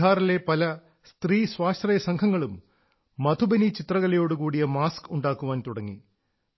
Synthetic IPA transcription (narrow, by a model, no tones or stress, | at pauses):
aːɾile̞pɐlɐ | st̪riːsʋaːst̪rɐjɐsɐŋɡʰʱɐŋːɐɭumː | ɐt̪ʰubɐnit͡ɕit̪rɐɣɐlɐjo̞ːɽukuːɽijɐmaːskuɳɖaːkːuʋaːnt̪uɽɐŋːi